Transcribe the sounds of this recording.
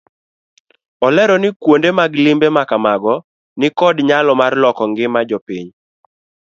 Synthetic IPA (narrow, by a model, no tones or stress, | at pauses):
ɔlɛɾɔnɪkwondemaɡlɪmbemakamaɡɔ | nɪkɔdɲalɔmarlɔkɔŋɡɪmad͡ʒɔpiɲ